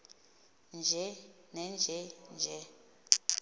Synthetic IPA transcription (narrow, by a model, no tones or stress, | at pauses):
nd͡ʒʱɛ | nɛnd͡ʒʱɛnd͡ʒʱɛ